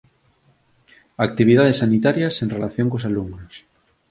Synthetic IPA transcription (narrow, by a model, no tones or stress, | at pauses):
ak̚t̪iβ̞ið̞að̞esːanit̪aɾjasẽnrelaθjoŋkosaluŋnos